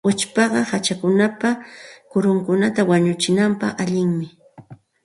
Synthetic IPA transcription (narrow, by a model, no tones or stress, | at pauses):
ʊt͡ʃpɑɢɑhat͡ʃakʊnapakʊɾʊŋkʊnat̪awaɲʊt͡ʃɪnampɑχaʎɪŋmɪ